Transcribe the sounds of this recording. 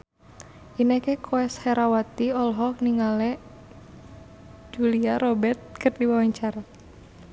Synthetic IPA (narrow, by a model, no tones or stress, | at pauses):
ʔinɛkɛkʰoɛshɛɾawat̪iɔlɦɔk̚niŋalɛʔ | d͡ʒuliaɾɔbɛrt̪̚kɨrdiwawaɲt͡ʃaɾa